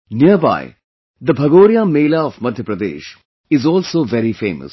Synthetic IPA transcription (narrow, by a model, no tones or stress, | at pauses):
niəɾba̰ɪ | d̪əbʱɐɡoːɾjameːlaɔʋmɐd̪ʱjəpɾɐd̪ḛːʃ | ɪzɔːlsoːʋɛɾifḛːmə̰s